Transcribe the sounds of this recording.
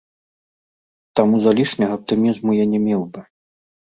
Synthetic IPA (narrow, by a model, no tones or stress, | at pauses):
t̪amuzalʲiʂnʲɐɣɐɐp̚t̪ɨmʲizmujanʲɛmʲɛwbɨ